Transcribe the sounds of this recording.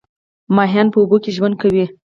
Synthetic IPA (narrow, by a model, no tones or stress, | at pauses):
mɑɦjɑnpəubokeʒwand̪̚kawi